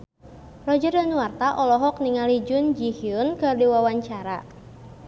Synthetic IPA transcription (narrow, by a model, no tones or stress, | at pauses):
rɔd͡ʒərdanuwart̪aʔɔlɔɦɔk̚niŋalid͡ʒʊnd͡ʒihiʊnkɨrdiwawaɲt͡ʃaɾa̰